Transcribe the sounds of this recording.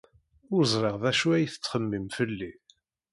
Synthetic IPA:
ʊɾzˤɾˤeʁðæʃuæjθə̥t͡sːχəmːimfəlːi

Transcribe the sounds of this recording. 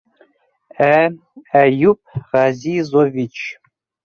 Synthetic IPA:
æ | æjup̚ʰʁɑzizovit͡ʃʰ

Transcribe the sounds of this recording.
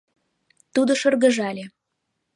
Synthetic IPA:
t̪ud̪ŏʃɤrɣə̆ʒɑlʲe

